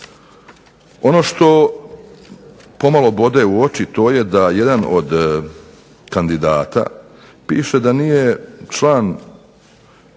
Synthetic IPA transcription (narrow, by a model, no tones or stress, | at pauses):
o̞no̞ʃt̪o̞ | po̞malo̞bo̞d̪euo̞t͡ʃit̪o̞ːje̞d̪ajed̪ano̰d̪ | kand̪id̪aːt̪a̰ | piːʃe̞d̪anije̞t͡ʃlaːn